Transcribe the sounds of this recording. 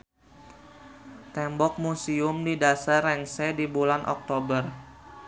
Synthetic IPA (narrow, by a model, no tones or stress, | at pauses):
t̪ɛmbɔk̚musiʊmdidasarɛŋsɛdibulanʔɔ̰k̚t̪obər